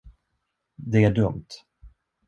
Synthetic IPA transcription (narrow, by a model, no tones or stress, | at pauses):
d̪ɛæɖɵmt̪